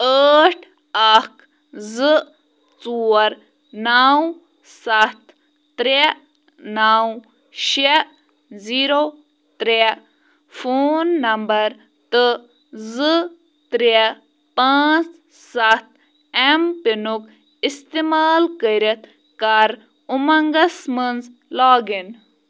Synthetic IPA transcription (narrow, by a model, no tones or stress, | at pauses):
əːʈʰ | akʰ | zɨ | t͡suːɐɾ | naːw | sat̪ʰ | t̪ɾe | naːw | ʃe | ziːɾo | t̪ɾe | fʰoːnːɐmbɐɾ | t̪ɨ | zɨ | t̪ɾe | paːt͡s | sat̪̚ | ɛmpinuk | ist̪emaːlkəɾet̪ | kaɾ | umɐŋɡɐsmənzlaːɡin